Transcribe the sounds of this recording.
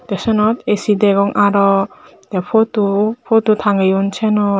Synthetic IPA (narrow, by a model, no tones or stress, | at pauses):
d̪̥esɔnɔt̪esideɡɔŋʔaɾɔ | d̥̪epʰɔtupʰɔt̪ut̪ʰaŋɡajunt͡ʃʰenɔ